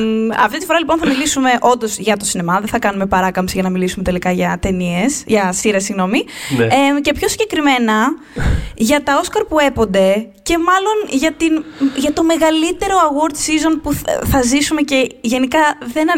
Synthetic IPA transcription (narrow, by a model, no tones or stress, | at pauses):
ɐ̰ft̪it̪ifo̞ɾɐliponθɐmilisume̞ʔo̞nd̪o̞zʝɐt̪o̞sinemɐðenθɐkɐnumepɐɾɐkɐmsiʝɐnɐmilisume̞t̪e̞likɐʝɐt̪e̞nie̞sʝɐsiɾɐsiɣno̞mince̞pço̞siɲɟ̥e̞kɾime̞nɐ | ʝɐt̪ɐo̞skɐɾpue̞po̞nd̪e̞ce̞mɐlo̞nʝɐt̪inʝɐt̪o̞me̞ɣɐlit̪e̞ɾo̞ɐɣo̞ɾd̪sizo̞npuθɐzisume̞ce̞ʝe̞nikɐðen